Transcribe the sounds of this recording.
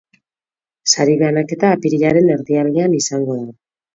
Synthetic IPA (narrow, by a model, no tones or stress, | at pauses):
saɾiβeanake̞t̪aːpiɾiʎaɾe̞ne̞ɾðiaɾɣianisaŋɡo̞ðu